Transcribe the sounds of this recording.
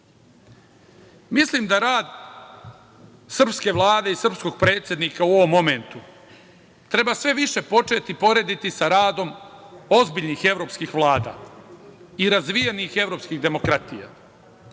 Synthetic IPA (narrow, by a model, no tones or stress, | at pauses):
mislimd̪aɾaːd̪ | sr̩pske̞ʋlˠaːd̪e̞isr̩psko̞ɡ̥̚pɾe̞ːt̪sje̞d̪nikauo̞ʋo̞mːo̞me̞nt̪u | t̪ɾe̞basʋe̞ʋiʃe̞po̞t͡ʂe̞t̪ipo̞ɾe̞d̪it̪isaɾaːd̪o̞mo̞zbiʎnixe̞vɾo̞ːpskixʋlˠaːd̪a̰ | iɾazʋijenixe̞vɾo̞ːpskiɣd̪e̞mo̞kɾat̪ija̰